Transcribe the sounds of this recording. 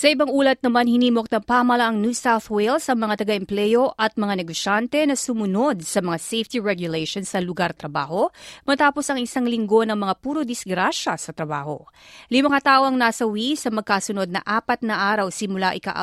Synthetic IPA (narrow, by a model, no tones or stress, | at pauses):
sɐʔibaŋʔuːlɐt̪̚nɐmanhɪniːmo̞k̚nɐŋpaːmɐlɐʔɐŋnjusawθwɛlsɐŋmɐŋat̪ɐɡaʔɛmplɛjo̞ʔʔɐt̪̚mɐŋanɛɡoʃant̪ɛnɐsʊmʊno̞d̪̚sɐmɐŋasejft̪iɹɛɡjʊlɛjʃonsɐlʊɡaɾt̪ɾɐbaːho̞mɐt̪aːpo̞sɐŋɪsaŋlɪŋɡo̞nɐŋmɐŋapuːɾod̪ɪsɡɾaʃɐsɐt̪ɾɐbaːho̞̰limɐŋat̪aːʔo̞ʔɐŋnaːsɐwisɐmɐɡ̚kasʊno̞d̪̚nɐ̰ʔaːpɐt̪̚nɐʔaːɾɐwsɪmʊlaʔɪka̰ʔ